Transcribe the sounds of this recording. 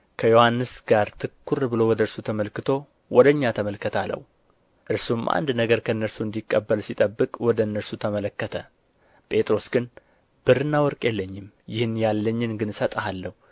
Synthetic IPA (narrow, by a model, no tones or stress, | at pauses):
kʰəjo̞hanːɨsɡ̥aɾt̪ʰɨkːuɾbɨlo̞wɔd̪əɨɾsut̪ʰəməlkɨt̪ʰo̞ | wɔd̪əɲːat̪ʰəməlkːət̪ʰalə̰wu | ʔɨɾsumʔa̰nd̪nəɡəɾkʰəɨnːəɾsuɨnd̪ikʼːəbːəlsit̪ʼəbːɨkʼwɔd̪əɨnːəɾsut̪ʰəmələkːət̪ʰə̰ | pʼe̞t̪ʼɾo̞sɡɨn | b̥ɨɾɨnːawɔɾkʼjɛlːəɲːɪm | jɪhɨnjalːəɲːɪnɡɨnsət̪ʼhalːəhu